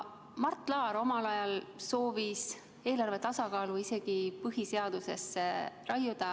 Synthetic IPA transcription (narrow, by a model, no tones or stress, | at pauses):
mɑrt̪ːˑlɑːɾo̞mɑlɑjɑlso̞ːvis | e̞ːlɑrve̞t̪ɑsɑkɑːluise̞ɡ̥ipɤɦise̞ɑd̪̥use̞sːe̞rɑjud̪ɑ